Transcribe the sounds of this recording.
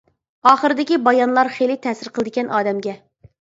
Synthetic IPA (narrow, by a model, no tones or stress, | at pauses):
ɑːχəɾɨd̪ɪkʲibɑjɑnlˠɑɾχejlɪt̪ʰɛːsɪɾqʰlˠɨd̪ɪkʲɛnʔɑːd̪ɛmɡʲɛ